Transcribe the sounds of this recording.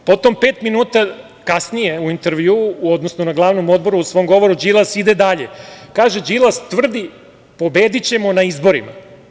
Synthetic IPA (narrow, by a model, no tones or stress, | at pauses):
po̞t̪o̞mpeːt̪minuːt̪a | kasnije̞uint̪eɾʋjuːuod̪nosnonaɡlˠaːʋno̞mo̞d̪̚bo̞ɾuusʋo̞mɡo̞ʋo̞ɾud͡ʑilˠasid̪ed̪aʎekaːʒed͡ʑilˠast̪ʋr̩d̪i | po̞beːd̪it͡ɕe̞mo̞naizbo̞ɾḭma̰